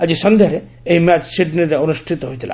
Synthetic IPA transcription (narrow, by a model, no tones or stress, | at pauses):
ad͡ʑisɔnd̪ʱeɾe | ejmat͡ʃsiɖniɾeonusʈʰit̪ɔɦojt̪ʰila̰